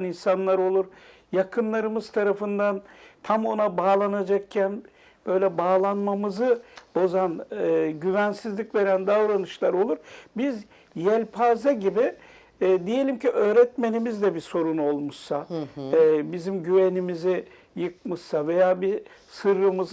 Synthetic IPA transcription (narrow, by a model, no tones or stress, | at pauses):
ninsanlˠaɾo̞lˠuɾ | jakʰɯnlˠaɾɯmɯzt̪ʰaɾafɯnd̪ant̪ʰamo̞nabaːlˠanad͡ʒak̚cʰæn | b̥ø̞jlʲɛbaːlˠanmamɯzɯbo̞zanɯːɟyvænsizlʲicve̞ɾænd̪avɾanɯʃlˠaɾo̞lˠuɾbiz | jɛlʲpʰaːzaɟibɪ | d̪ije̞lʲimcʰiʔø̞ːɾɛt̪me̞nimizd̪ɛbiso̞ɾuno̞lˠmuʃsa | bizimɟyve̞nimizi | jɯk̚mɯʃsave̞jaːbisɯɾːɯmɯz